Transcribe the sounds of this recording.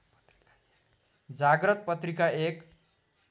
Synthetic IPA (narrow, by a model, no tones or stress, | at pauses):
d͡zaɡrʌt̪̚pʌt̪rikaek